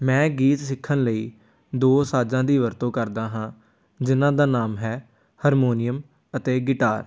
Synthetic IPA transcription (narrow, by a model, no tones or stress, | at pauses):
mɛ̃ːɡiːt̪sɪkʰːənləiː | d̪oːsaːd͡ʒãːd̪iːʋəɾt̪õːkəɾd̪aːɦãː | d͡ʒɪnãːd̪aːnaːmɦɛː | həɾmoːnɪjəm | ət̪eːɡɪʈaːɾ